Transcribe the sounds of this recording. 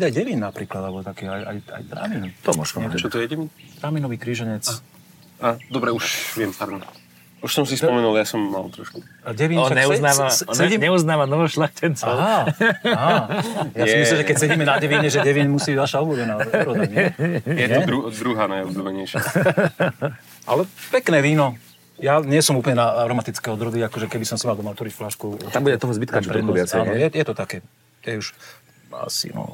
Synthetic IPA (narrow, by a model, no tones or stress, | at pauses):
biajɟɛʋiːnnapɾiːklad̪abɔt̪akiːaja̰ja̰jt̪ɾa̰ːmint̪ɔmɔ̰ʃkɔɛt͡ʃɔt̪ɔjɛɟɛʋint̪ɾaːminɔʋiːkɾiːʒɛɲɛt͡s | aːd̪ɔbɾɛuʃʋɪɛmpaɾd̪ɔm | uʃsɔmsispɔmɛnuljasɔmːa̰lˠt̪ɾɔ̰ʃkuɟɛʋiːnɔnaɲɛunaːʋaɔsɛiɲɛuznaːʋanɔʋɔʃlaxcʰɛnt͡sɔa | jasimisliʒɛkɛcsɛɟiːmɛnaɟɛʋiːɲɛʒɛɟɛʋiɲɛmusiːbiʋaʃaɔɦlubɛnaːɾɔaɲjɛɛɾud̪ɾuɦanajɔzɔmɛɲɛjʃa | ʔa̰lɛpɛknɛːʋiːnɔ | jaɲɪɛsɔmuːplɲɛnaaɾɔmat̪it͡skɛːɔd̪ɾɔd̪iakɔʒɛkɛbisɔmsimalˠd̪ɔmaɔt̪ʋɔɾicflaʃkut̪ambuɟɛt̪ɔɦɔzbit̪kapɾɛd̪nɔat͡sɛːnɔjɛjɛt̪ɔt̪akɛː | j̪ɛuʃ | a̰sḭnɔ̰